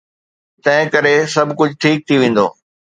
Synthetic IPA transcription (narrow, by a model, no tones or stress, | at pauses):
t̪ɐ̃ɦɪ̃kɐɾesɐbʱkʊd͡ʑʱʈʰiːk̚t̪ʰiʋẽːn̆d̪o̰ː